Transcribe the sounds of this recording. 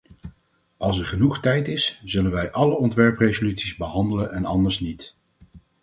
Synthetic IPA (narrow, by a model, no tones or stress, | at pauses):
ʔɑlˠs̬ɛɹχənuχtɛjtɪsz̥ɵlənʋɛjʔɑləɔntʋɛɹprejzolytsizbəɦɑndələnɛnɑ̰ndəɹsnit